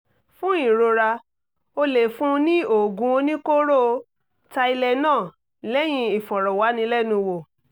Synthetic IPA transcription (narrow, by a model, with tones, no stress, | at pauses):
fũ˦i˦˨ɾo˧ɾa˧ | o˧le˨fũ˦˧nĩ˦o˨ɡũ˧o˧nĩ˦ko˦ɾo˦˧ | ta˧i˧lɛ˧nãː˦˨ | lɛ˦j̃ĩ˧i˨fɔ˨ɾɔ˨wa˨˦nĩ˧˦lɛ˦nũ˧wo˨